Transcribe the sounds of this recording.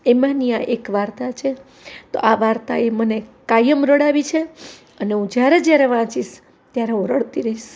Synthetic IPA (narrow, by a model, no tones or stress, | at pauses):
emanijaʔekʋaɾt̪at͡ʃʰe | t̪o̰ʔaʋaɾt̪a̰emənekajəmɾəɽaʋit͡ʃʰe | əneɦũd͡ʒjaɾed͡ʒjaɾeʋãt͡ʃis | t̪jaɾeɦũɾəɽt̪iɾəiʃ